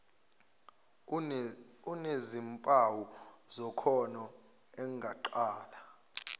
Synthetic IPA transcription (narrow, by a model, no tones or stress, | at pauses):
unezimpʼawuzɔkʰɔnɔ | ɛŋʱaǃaːla